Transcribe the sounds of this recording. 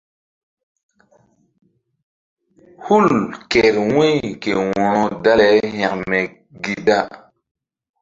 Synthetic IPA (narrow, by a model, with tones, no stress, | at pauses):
hu˦˨lke˨ɾwẽ˦jke˨wɔ̃˨ɾɔ̃˦da˦le˨˦hɛ̃˨kmɛ˨ | ɡi˨da˦